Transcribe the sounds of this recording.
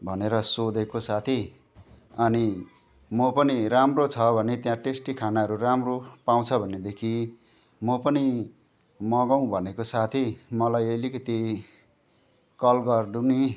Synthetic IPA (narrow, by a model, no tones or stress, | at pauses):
bʱʌneɾʌsod̪ekosat̪ʰi | ʌni | mʌpʌniɾamrot͡sʰʌbʱʌnet̪jãʈesʈikʰanaɦʌɾuɾamropaw̃t͡sʰʌbʱʌnːed̪ekʰi | mʌpʌni | mʌɡʌw̃bʱʌnekosat̪ʰimʌlajʌlikʌt̪i | kʌlɡʌrd̪uni